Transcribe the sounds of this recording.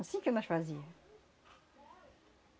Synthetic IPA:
sĩkɛmaʃwaziʁ

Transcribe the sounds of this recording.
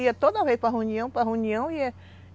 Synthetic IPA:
iɐt̪od̪ɐvejspɾɐɦeũniɐ̃w̃pɾɐɦeũniɐ̃w̃iɛ

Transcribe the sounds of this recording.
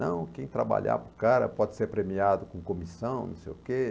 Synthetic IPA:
ɐ̃w̃kẽj̃t̪ɾaba̰ʎa̰pɾʊkaɾɐ̰pɔd͡ʒɪseɾpɾemiad̪ʊkõkõmisɐ̃w̃nɐ̰̃sejʊke

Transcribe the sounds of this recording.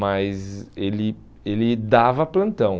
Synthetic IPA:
mɐzzelɪ | elɪd̪avɐplɐ̃nt̪ɐ̃w̃

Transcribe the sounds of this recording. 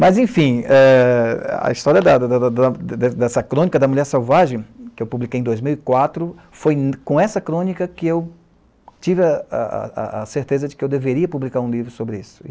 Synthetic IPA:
mɐzẽfĩɛ | ɐ̰ist̪ɔɾiɐd̪ɐd̪d̪ɐd̪ɐd̪ɛd̪ɛsɐkɾõnikɐd̪ɐmuʎɛɾsewvaʒẽj̃kɪewpublikejẽd̪ojzmiwikwat̪ɾʊ | fojnkõɛsɐkɾõnikɐkɪew | t͡ʃivɪɐa̰a̰a̰ɐseɾt̪ezɐd͡ʒɪkɪewd̪eveɾiɐpublikaɾũlivɾʊsobɾɪisʊ̥

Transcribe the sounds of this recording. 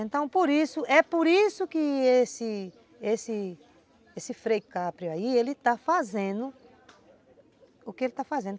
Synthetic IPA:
ẽnt̪ɐ̃w̃poɾisʊʔɛpoɾisʊkɪesɪ | esɪ | esɪfɾejkapɾjʊaielɪt̪afazẽd̪ʊ | ʊkɪelɪt̪afazẽnd̪

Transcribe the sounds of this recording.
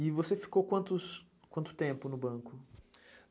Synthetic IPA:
ɪvosefi̥kowkwɐ̃nt̪ʊs | kwɐ̃nt̪ʊ̥t̪ẽmpʊnʊbɐ̃kʊ

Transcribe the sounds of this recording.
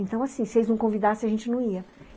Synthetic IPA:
ẽnt̪ɐ̃w̃asĩsɪelɪznɐ̃w̃kõvid̪asẽaʒẽnt͡ʃɪnɐ̃w̃iɐ

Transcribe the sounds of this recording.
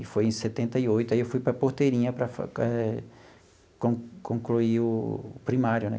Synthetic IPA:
ɪfojẽj̃set̪ẽnt̪ɐiojt̪ʊaiewfujpɾɐpoht̪eɾĩɲɐpɾɐfa̰ɛ | kõkõkluiʊpɾimaɾjʊnɛ̰

